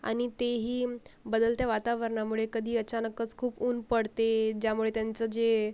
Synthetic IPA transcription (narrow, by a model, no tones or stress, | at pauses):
a̰ɽ̃it̪eɦiːbəd̪əlt̪jaʋat̪aʋəɾɳamuɭekəd̪ʱiːət͡ɕanəkət͡skʰuːpuːnpəɽt̪ed͡ʑjamuɭet̪jant͡səd͡ze